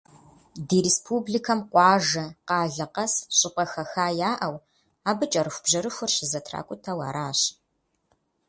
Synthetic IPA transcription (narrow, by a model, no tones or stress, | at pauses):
diːɾespʰublikʰɐmqʷʼɑːʒɐqɑːɮɐqɐsɕʼɪpʼɐxɐxaːjaːʔɐw | aːbɨt͡ʃʼɐɾɨxʷb̥ʑɐɾɨxʷʊrɕɪzɐtʰra̰ːkʷʼʊtʰɐwa̰ːɾaːɕ